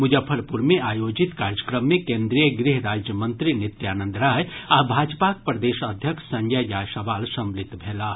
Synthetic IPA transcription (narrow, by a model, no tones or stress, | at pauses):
mʊd͡ʒəpʰəɾpuɾmeaːjoːd͡ʒit̪kaːɾjəkɾəmːẽkẽːnd̪ɾijəɡɾɪɦɾaːd͡ʒjəmə̃nt̪ɾinɪt̪jaːnə̃nd̪ɾaːjabʱaːd͡ʒpak̚pɾɐd̪eːʃəd̪ʱjəkʃsɐ̃ŋɡʱjajaːsɐʋaːlsɐ̃mblɪt̪bʱeːlaː